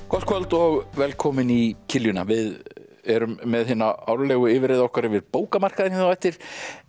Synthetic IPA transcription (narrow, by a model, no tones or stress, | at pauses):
kʰɔt̪kʰvœlt̪ɔɣvɛlkʰɔːmɪnicʰɪljʏna̰vɪðɛɾʏmːɛðɦɪnːaaːwɾlɛːɣʏɪvɪɾɪːðɔhkvaɾɪvɪðpoːwkamar̥kaðɪnɛθaɛht̪ɪɾ̥